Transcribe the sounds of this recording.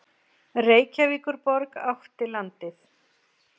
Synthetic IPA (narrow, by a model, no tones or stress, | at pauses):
reːjcaviːkʏɾpɔɾkaft̪ɪlant̪ɪθ